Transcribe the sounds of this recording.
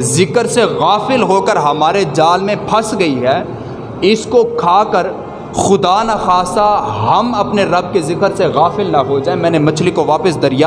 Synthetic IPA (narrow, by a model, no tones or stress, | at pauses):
zɪkəɾseɣaːfɪlɦoːkəɾɦɐmaːɾed͡ʒaːlmẽpʰɐsɡɐiɦɛː | ɪskokʰaːkəɾ | xʊd̪aːnaxaːsaɦɐmɐpneɾɐb̚kezɪkəɾseɣaːfɪlnɐɦod͡ʒaːemɛ̃ːnemɐt͡ʃʰlikoʋaːpɪsd̪ɐɾɪja